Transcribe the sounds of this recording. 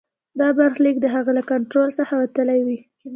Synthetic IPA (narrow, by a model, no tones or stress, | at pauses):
d̪ɑbaɾxlikd̪əɦaɣalakaɳʈɾolsəxawat̪əlajwi